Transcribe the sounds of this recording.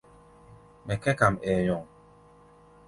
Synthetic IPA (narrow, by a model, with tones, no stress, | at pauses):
mɛ˨kɛ˦ka˨mɛ˨jɔ˨ŋ